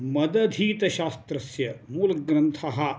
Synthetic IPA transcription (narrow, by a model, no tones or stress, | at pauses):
mɐd̪ɐd̪ʱiːt̪ɐʃaːst̪ɾɐsjɐmuːlɡɾɐnt̪ʰɐɦɐ̆